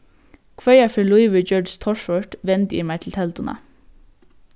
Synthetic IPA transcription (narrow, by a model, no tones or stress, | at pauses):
kʰʋœʏɑfɑːlʊɪʋəd͡ʒɔːɖt̪ʰɔʃʋɔʈʋɛnd̪jḭmæɪt̪ʰl̩t̪ʰɛlt̪ʊnɑ̰